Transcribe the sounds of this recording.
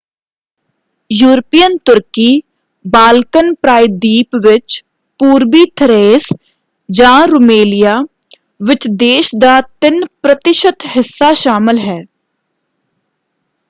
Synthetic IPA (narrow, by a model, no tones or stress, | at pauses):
juːɾpijənt̪ʊɾkiː | baːlkənpɾaːɪd̪iːpʋɪt͡ʃ | puːɾbit̪ʰəɾeːs | d͡ʒãːɾʊmeːlijaː | ʋɪt͡ʃd̪eːʃd̪aːt̪ɪnpɾət̪ɪʃət̪ɦɪsːaʃaːmɪlɦɛː